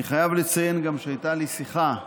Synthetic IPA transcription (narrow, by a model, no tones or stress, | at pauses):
iχajavlet͡saje̞nɡamʃeajt̪alisiχa